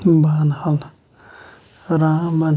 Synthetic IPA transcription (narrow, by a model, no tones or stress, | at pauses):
banhal | ɾãman